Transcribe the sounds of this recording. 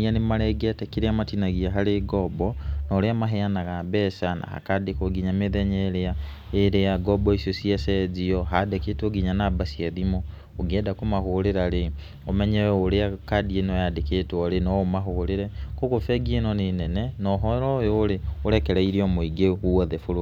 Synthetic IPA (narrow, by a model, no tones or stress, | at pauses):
ɲanemaɾɛɡiatɛkeɾeamatinaɣiaɦaɾeɡɔbɔnɔɾeamaɦɛanaɣabɛsana̰ha̰kadekoɡiɲameðɛɲɛeɾea | eɾeaɡɔbɔisjosiasɛd͡ʒiɔɦadeketoɡiɲanabasiaðimɔ | oɡɛːdakomahoɾeɾaɾe | omɛɲɛwoɾeakadienɔjadeketwɔɾenɔomaɦoɾeɾɛkoɣofɛɡienɔnenɛnɛnɔɦɔɾɔjoːɾeoɾɛkɛɾɛiɾiɔmoiɡehuɔðɛfoɾo